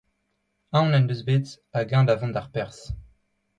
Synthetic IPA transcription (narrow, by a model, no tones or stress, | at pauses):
ãnɛnøzbet̪ | aɡɛ̃d̪avɑ̃d̪aʁpɛʁs